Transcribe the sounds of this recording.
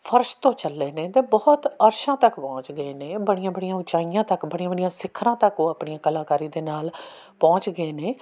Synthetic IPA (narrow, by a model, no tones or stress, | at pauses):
pʰəɾʃt̪õːt͡ʃəlːeːneːt̪eːbɔːt̪əɾʃãːt̪əkpɔ̃ːt͡ʃɡəeːneːbəɽijãːbəɽijãːʊt͡ʃaːijãːt̪əkbəɽijãːbəɽijãːsɪkʰːɾãːt̪əkoːəpɳijãːkəlaːkaːɾiːd̪eːnaːl | pɔ̃ːt͡ʃɡəeːneː